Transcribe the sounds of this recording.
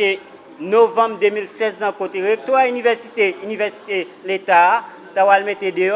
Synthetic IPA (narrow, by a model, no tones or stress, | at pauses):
e | novãbd̪ømilsɛzãkot̪eʁek̚t̪waynivɛʁsit̪eynivɛʁsi̥t̪elet̪a | t̪awalmet̪ed̪ø